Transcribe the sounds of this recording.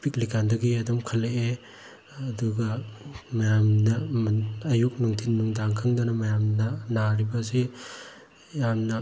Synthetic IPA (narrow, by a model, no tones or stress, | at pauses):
piklikʰandɐɡiɐdɔmkʰɐlːeʔe | ɐduɡɐmɐjamnɐː | juk̚nuŋtʰinːuŋdaŋkʰɯŋdɐnɐmɐjamnɐnaɾibɐsi | jamnɐ